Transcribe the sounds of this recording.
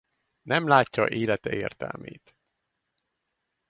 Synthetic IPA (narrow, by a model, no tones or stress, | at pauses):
nʔɛmlaːcːɒʔeːlɛt̪ɛeːrt̪ɛ̰lmeːt̪